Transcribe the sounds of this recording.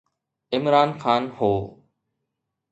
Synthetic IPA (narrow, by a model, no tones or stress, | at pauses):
ɪmɾaːnxaːnhoː